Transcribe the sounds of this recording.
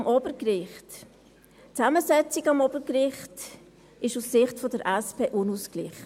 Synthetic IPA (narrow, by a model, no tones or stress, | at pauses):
mʔɔbəɾkrɪχt | t͡sæməsɛt͡siɡɑmɔb̥əɾkrɪχt | ɪʃussɪχtfodəɾʔɛspeːʔʊnusklɪχ